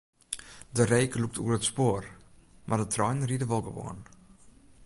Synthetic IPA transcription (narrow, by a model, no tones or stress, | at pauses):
dəreːkəluk̚tʰṵərətspoərmʔardətʰrɔjnriədəʋɔlˠɡəʋo̰ən